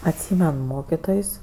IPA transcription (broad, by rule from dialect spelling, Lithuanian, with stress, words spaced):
ɐtʲˈsʲiːmʲɛn ˈmoːkʲɪtoːjsʲ